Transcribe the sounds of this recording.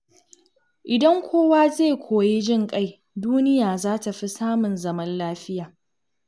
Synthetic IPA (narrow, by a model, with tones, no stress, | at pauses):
ʔɪ˨dɐ˦ŋkʷʰoː˦waː˦zeː˦˨kʷʰoː˨ji˦d͡ʒɪ˦˨ŋkʼa˦j | duː˦nɪ˦jaː˨zaː˦ta˨ɸi˦saː˦mʊ˨nzɐ˦mɐ˦nlaː˦ɸɪ˦jaː˨